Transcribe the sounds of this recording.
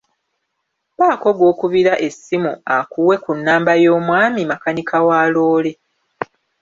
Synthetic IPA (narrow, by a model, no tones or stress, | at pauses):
βaːko̞ɡwo̞ːkuβiɾaʔe̞sːimuakuwe̞kunːaːmbajo̞ːmwaːmimakanikawaːloːle̞